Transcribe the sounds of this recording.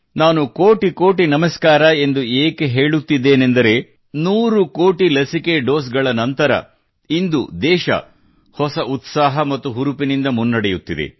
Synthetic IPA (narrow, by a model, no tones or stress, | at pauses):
naːnukoːʈikoːʈinɐmɐskaːɾɐe̞nd̪ueːke̞ɦe̞ːɭut̪ːid̪ːe̞ːne̞nd̪ɐɾe̞ː | nuːɾukoːʈilɐsike̞ɖo̞ːs̬ɡɐɭɐnɐnt̪ɐɾɐ̰ | ind̪ṵd̪ɛːʃɐ̰ | hɔsɐʔut̪saːɦɐmɐt̪ːuɦuɾupinind̪ɐmunːɐɽejut̪ːid̪ḛ